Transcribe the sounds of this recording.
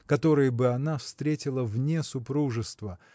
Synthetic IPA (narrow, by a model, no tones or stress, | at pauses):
kɐt̪o̞ɾɨjəbɨɐnafst̪ɾʲetʲɪlˠəvnʲesʊpɾuʐɨst̪və